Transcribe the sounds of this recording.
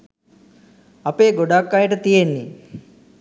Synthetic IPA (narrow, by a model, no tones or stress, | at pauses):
apeːɡoɖakːajəʈət̪ijenːi